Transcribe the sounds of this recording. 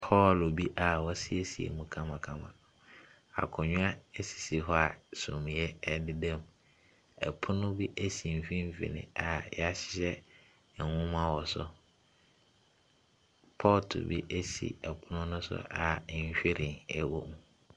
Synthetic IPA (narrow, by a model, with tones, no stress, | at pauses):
pʰɔ˦lo˨bi˦ʔa˨wɔ˦sɪ˦e˦si˨ḛ˨mũ˨kʰã˦mã˨kʰã˦mã̰˨ | a̰˨kʰʊ̃˨ɲᶣʊ̃˦a˦ɛ˦si̥˨si˨ɦɔ˦a˨sʊ̃˨m̃˨jɛ˦ɛ˦dɪ˦dɛ̃˦˨m | ɛ̰˨pʰʊ˦nʊ̃˦bi˦ʔæ˦si˨m̩˨fĩ˦m̩˦fḭ˨nɪ̰̃˦a˨ja˦ɕɪ̥˦ɕɛ˦˨ | wʊ̃˦m˦a˦wɔ˨sʊ̰˦ | pʰɔː˦ltʰʊ̰˨bḭ˦ʔɛ˦sḭ˨ɛ˨pʰʊ˦nʊ̃˦nʊ̃˦sʊ̰˦a˨ɲ̩˦ɕᶣe˦ɾɪ˨nɛ˨wo˦mũ˨